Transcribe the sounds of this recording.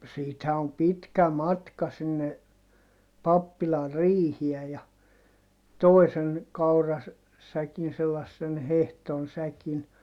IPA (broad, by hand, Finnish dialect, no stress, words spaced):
siːthæ om pitkæ mɑtkɑ sinːe pɑpːilɑr riːhiɛ jɑ toi̯sen̞ kɑurɑ sækin selɑsːen hehton sækin